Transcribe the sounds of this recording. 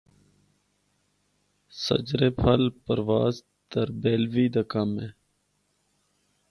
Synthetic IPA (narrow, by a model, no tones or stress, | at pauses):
sə̰d͡ʒɾeːpʰəlpəɾʋaːz | t̪əɾbeːlʋiːd̪əkamẽː